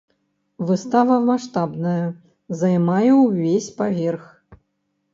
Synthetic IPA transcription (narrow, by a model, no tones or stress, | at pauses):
vɨst̪avɐmaʂt̪abnɐjɐ | zɐjmajɛwvʲesʲpavʲɛrx